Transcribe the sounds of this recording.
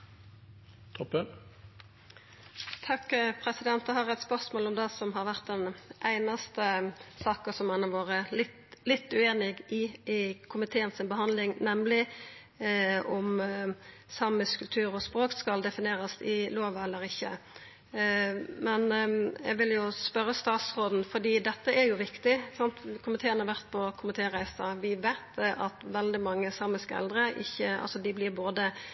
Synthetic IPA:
t̪ʰɔpə | t̪ʰɑkːpʰʁɛsɪd̪ɛnt̪d̪ɛhɑɾʁæɪt̪spœʁsmoːlɔmd̪ɛsɔmɦɑʁʋæʁt̪̚d̪ɛnʔæɪnɑst̪əsɑːkəsɔmɛnɑʋoːʁəlɪt̪lɪt̪ːʉeːnɪɡɪɪkʰʊmɪt̪ʰeːənsɪnbəɦɑnd̪lɪŋnɛmlɪ | ɔm | sɑməskʉlt̪ʰʉːɾɔspɾoːkskɑld̪ɛfɪneːɾəsɪloːʋəɛlːəɾɪçːə̰ | mɛnjɛ̰ɡʋɪljʊspœɾːəst̪ɑːt̪sʁoːd̪n̩fɔd̪iːd̪ɛt̪ːəʔɛɾjʊʋɪkt̪ɪsɑnt̪kʰʊmɪt̪ʰeːənəhɑɾʋæʁt̪̚pʰɔkʰʊmɪt̪ʰeːʁæɪsɑʋɪʋeɪt̪ʔɑt̪ʋɛld̪ɪmɑŋːəsɑməskəɛ̰ld̪ɾəɪ̰çːəɑ̰lsɔd̪ɪblɪboːd̪ə

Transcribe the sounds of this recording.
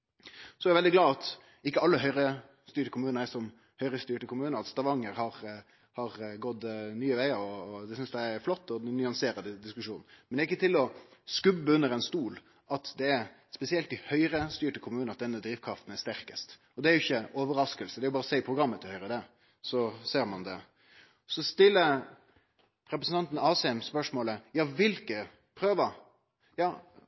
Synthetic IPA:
sɔæɾjʊʋɛld̪ɪɡlɑːɑt̪ | ɪkːəɑlːəɦœʏɾə | st̪yːʈəkʰʊmʉːnəɾæsɔm | hœʏɾəst̪yːʈəkʰʊmʉːnəɾɑt̪st̪ɑʋɑŋːəɾhɑɾ | hɑɾɡɔd̪nyːəʋæɪəɾɔːd̪ɛsʏnsd̪ɛɾflɔt̪ːɔnʏɑŋseːɾɑd̪əd̪ɪskʉʂṵːnmɛnd̪ɛɾɪkːət̪ʰɪlɔskʉbːəʉnːəɾɛnst̪uːl | ɑt̪d̪ɛæɾ | spɛsɪɛlt̪ɪhœʏɾəst̪yːʈəkʰʊmʉːnɑt̪̚d̪ɛnːəd̪ɾiːʋkʰɾɑft̪n̩æst̪æɾkəst̪ | ɔd̪ɛæɾjʊɪçːəɔːʋəɾɑskəlsəd̪ɛæɾjʊbɑːɾəsæɪɪpʰʁʊɡɾɑmːət̪ʰɪhœʏɾəd̪ɛ | sɔseːɾmɑnd̪ɛ̰ | sɔst̪ɪlːə | ɾɛpɾəsənt̪ɑnt̪n̩ɑːsɛɛmspœʂmoːləjɑːʋɪlkə | pʰɾøːʋɑ | jɑː

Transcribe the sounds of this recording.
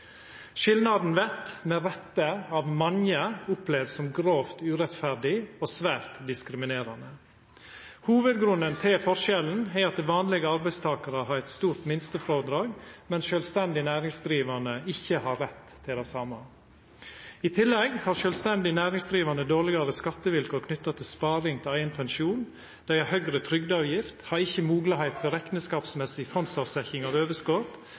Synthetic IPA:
ʃɪlnɑd̪n̩ʋɛt̪meːɾɛt̪ːəɑʋmɑnjəʊpleːʋsɔmɡɾoːft̪ʉːɾɛt̪fæɾɖɪoːsʋæːɾt̪d̪ɪskɾɪmɪneːɾɑnə | huːʋəd̪ɡɾʉnənt̪ʰɪlfɔʂɛln̩ɛɑt̪̚d̪ɛʋɑːnlɪɡəɑɾbæɪst̪ʰɑːkɑɾəhɑːɾɛt̪st̪uːɾt̪mɪnst̪əfɾoːʋd̪ɾɑːɡmɛnʃœːlst̪ɛnd̪ɪnæːɾɪŋsd̪ɾiːʋɑɳəɪçːəhɑɾɾɛt̪ʰːɪld̪æɪsɑːmɑ | ɪt̪ʰɪlːɛɡhɑːɾʃœlst̪ɛnd̪ɪnæːɾɪŋsd̪ɾiːʋɑɳəd̪oːlɪɡɑɾəskɑt̪ːəʋɪlkɔkʰnʏt̪ːɑt̪ʰɪlspɑːɾɪŋt̪ʰɪlæɪnpʰɛnʃuːn | d̪̥æɪɑɾhœɡɾət̪ʰɾʏɡd̪əɑːʋjɪft̪hɑɾɪçːəmuːɡlɑhæɪt̪fɔɾɛknəskɑːpsmɛsɪfɔnsɑsɛçɪŋɑʋøːʋəskoːt̪

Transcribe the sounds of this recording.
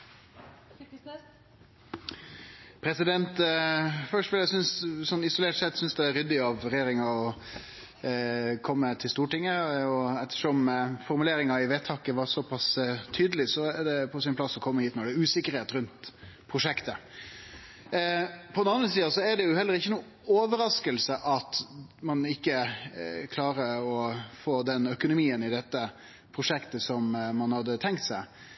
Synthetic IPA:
pʰɾɛsɪd̪ɛnt̪ | fœʂʈʋɪljæsʏnssɔnːɪsʊleːʈsɛt̪sʏnsd̪ɛæɾʏd̪ːɪɑʋɾɛjeːɾɪŋɑɔ | kʰɔmːət̪ʰɪlst̪uːʈɪŋːəɔɛt̪ːə̥ʂɔmfɔɾmʉleːɾɪŋɑɪʋeːt̪ʰɑːkəʋɑɾsɔpʰɑst̪ʰyːd̪əlɪsɔæɖɛpʰɔsɪnpʰlɑsːɔkʰɔmːəhiːt̪nɔɖɛæːʉːsɪkːəɾheːt̪ɾʉnt̪pʰɾʊʂɛkt̪ə | pʰɔd̪nɑnɾəsiːɑsɔæɾɖ̪ɛjʊhɛlːəɾɪçːənuː | oːʋəɾɑskəlsəʔɑt̪mɑnɪkːəkʰlɑːɾəɔfoːd̪ɛnœkʊnʊmiːənɪd̪ɛt̪ːə | pʰɾʊʂɛkt̪əsɔmmɑnhɑd̪ːət̪ʰɛŋkt̪sæɪ

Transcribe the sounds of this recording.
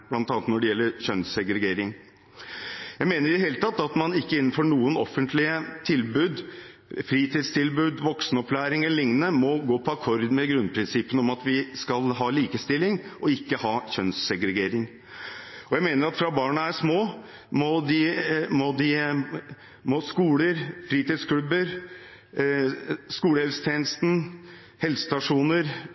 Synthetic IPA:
b̥lɑnt̪ɑːnət̪nɔɖɛjɛlːəɾçœnsɛɡɾɛɡeːɾɪŋ | jæɪmeːnəɾɪd̪ɛɦeːlət̪ʰɑt̪ːɑt̪mɑnɪkːəɪnːənfɔɳuːənɔfːənt̪lɪət̪ʰɪlbʉːd̪ | fɾiːt̪ʰɪd̪st̪ʰɪlbʉːd̪ʋɔksnəɔplæːɾɪŋɛləlɪŋnənəmɔɡoːpʰɔɑkʰɔɾd̪mɛɡɾʉnpʰɾɪnsɪpːənəɔmɑt̪ʋɪskɑlɦɑːliːkəst̪ɪlːɪŋʔɔɪkːəhɑːçœnsɛɡɾɛɡeːɾɪŋ | ɔjæɪmeːnəɾɑt̪fɾɑbɑːɳəæʂmoː | mɔd̪ɪmɔd̪ɪ | mɔskuːləɾfɾiːt̪ɪːd̪skʰlʉbəɾ | skuːləhɛlsə̥t̪ʰjeːnəst̪n̩ | hɛlsə̥st̪ɑʂuːnəɾ

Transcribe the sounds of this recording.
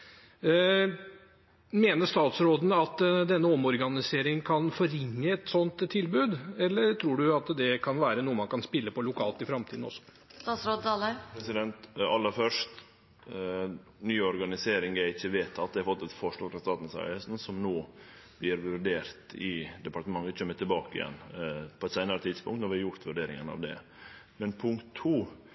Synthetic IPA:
meːnəʂt̪ɑːt̪sɾoːd̪n̩ɑt̪d̪ɛnːəɔmɔɾɡɑnɪseːɾɪŋkʰɑnfɔɾɪŋːəɛt̪sɔnt̪t̪ʰːɪlbʉːd̪ɛlːəɾʈ̪ʰɾuːɖʉɑt̪d̪ɛkʰɑnʋæːɾənuːəmɑnkʰɑnspɪlːəpɔlʊkʰɑ̰ːlt̪ɪfɾɑmt̪ʰiːd̪n̩ɔ̰sːɔ̥ | st̪ɑːt̪sɾoːd̪ɑːlæpɾɛsɪd̪ɛnt̪ɑ̰lːəɾfœʂt | nyːɔɾɡɑnɪseːɾɪŋæɾɪçːəʋeːt̪ʰːɑt̪̚d̪ɛhɑɾfɔt̪ːɛt̪fɔʂɭɑːɡfɾɑst̪ɑːt̪n̩sɑ̰ʏəsn̩sɔmnoːb̥lɪɾʋʉɖeːɾt̪ɪd̪ɛpɑʈt̪əmɑŋːət͡ɕʰœmːət̪ɪlbɑːkəɪ̰jɛ̰nːpʰɔɛt̪sæɪnəɾət̪ʰɪd̪spʊŋkt̪nɔɾʋɪɑɾjʊɾt̪ʋʉɖeːɾɪŋənɑ̰ʋd̪ɛ̰ | mɛnpʰʊŋkt̪ʰːuː

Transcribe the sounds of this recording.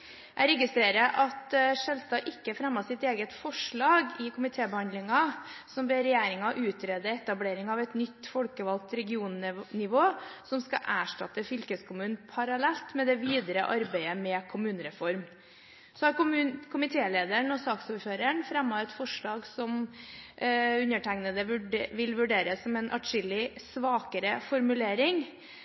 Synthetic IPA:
jʔæɪɾɛɡɪst̪ɾeːɾəʔɑt̪ʂɛlst̪ɑʔɪkːəfɾɛmːɑsɪt̪eːɡət̪fɔʂɭɑːɡɪkʰʊmɪt̪ʰeːbəhɑnd̪lɪŋɑsɔmbeɾɛjeːɾɪŋɑʔʉːt̪ɾeːd̪əɛt̪ɑbleːɾɪŋɑʋɛt̪nʏt̪ːfɔlkəʋɑlt̪ɾɛɡɪuːnnɪʋoːsɔmskɑ̰ʔæːʂʈɑt̪əfʏlkəskʰʊmʉːn̩pʰɑɾɑlɛlt̪mɛd̪ɛʋiːd̪ɾəʔɑɾbæɪəmɛkʰʊmʉːnəɾɛfɔɾm | sɔhɑɾkʊmʉnkʰʊmɪt̪ʰeːleːd̪əɳɔsɑːksuːɾføːɾəɳfɾɛmːɑɛt̪fɔʂɭɑːɡsɔm | ʉnəʈʰæŋnəd̪əʋʉʋɪlʋʉɖeːɾəsɔmɛnʔɑ̰ʈʂɪlɪsʋɑːkəɾəfɔɾmʉleːɾɪŋ

